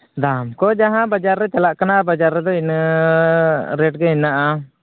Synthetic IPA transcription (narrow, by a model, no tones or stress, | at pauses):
d̪amkɔd͡ʒaɦãbəd͡ʒaɾːɛt͡ʃalaʔkənaʔabad͡ʒaɾːɛd̪ɔin | ɾeːʈɡɛinːaʔa